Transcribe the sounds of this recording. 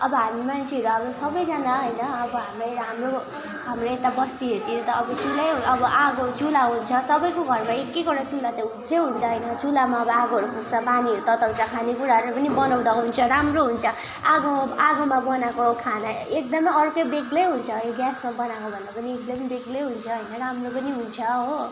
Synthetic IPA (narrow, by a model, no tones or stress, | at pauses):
ʌbʌɦamimant͡sʰeɦʌɾuʌbʌsʌbʌjd͡zanaɦojnʌʌbʌɦamrʌjɦamro | ɦamroet̪abʌst̪iɦʌɾut̪iɾet̪ʌːbʌt͡sulʌjɦʌbʌʔaɡot͡sulaɦunt͡sʰʌsʌbʌjkoɡʱʌrmaekːekʌɽat͡sulat̪eɦut͡sʰeɦunt͡sʰʌɦʌjnʌt͡sulamaʌbʌaɡoɦʌɾukʰuk̚t͡sʰʌpaniɦʌɾut̪ʌt̪aw̃t͡sʰʌkʰanekuɾaɦʌɾupʌnibʌnʌw̃d̪ʌɦunt͡sʰʌɾamroɦunt͡sʰʌ | aɡoaɡomabʌnakokʰanʌek̚d̪ʌmʌjʌrkʌjbeɡlejɦunt͡sʰʌjoɡjasmabʌnakobʱʌnd̪apʌnieklʌembeɡlejɦunt͡sʰʌɦʌjnʌɾamropʌniɦunt͡sʰʌɦo